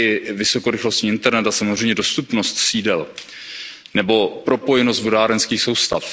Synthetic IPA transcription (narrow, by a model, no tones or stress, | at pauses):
ɪvɪso̞ko̞ɾɪxlo̞st̪ɲiːɪnt̪ɛɾnɛt̪asamozr̝ɛjmɲɛdost̪upnost̪siːdɛl | nɛbo̞pɾo̞po̞jɛnost̪vodaːɾɛnskiːxso̞wst̪af